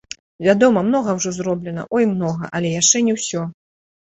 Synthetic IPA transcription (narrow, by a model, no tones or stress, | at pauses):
vʲad̪ɔmɐmnɔɣɐwʐɔzrɔblʲɛnɐ̰ʔɔjmnɔɣɐ̰ʔɐlʲɛjaʂt͡ʂɛnʲɛwsʲɔ